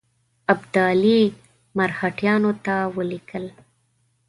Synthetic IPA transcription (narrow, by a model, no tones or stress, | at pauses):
abd̪ali | maɾhaʈjɑnot̪awəlikəl